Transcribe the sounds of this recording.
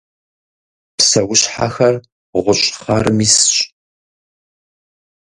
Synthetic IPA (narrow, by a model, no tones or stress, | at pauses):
psɐwʊɕħa̰xɐr | ʁʷʊɕʼχɐrmiːsɕʼ